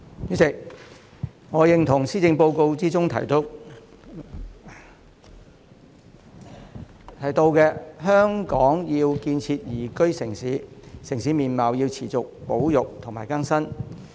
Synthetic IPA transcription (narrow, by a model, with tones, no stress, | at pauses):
jy˨˥sɪ˨˩k̚ | ŋɔː˨˧jɪ˨˩ŋt̪ʰʊ˨˩ŋsiː˥t͡sɪ˧ŋpo˧wko˧wt͡siː˥t͡sʊ˥ŋt̪ʰɐ̰˨˩jt̪o˧w | t̪ʰɐ˨˩jt̪o˧wkɛː˧hœː˥ŋkɔː˨˥ŋjiː˧wkiː˧nt͡sʰiː˧t̚jiː˨˩kɵ˥ɥsɪ˨˩ŋsiː˨˥sɪ˨˩ŋsiː˨˥miː˨˩nmɐ˨˩wjiː˧wt͡sʰiː˨˩t͡sʊ˨k̚po˨˥wjʊ˨k̚t̪ʰʊ˨˩ŋmaː˨˩jkɐ˥nsɐ˥n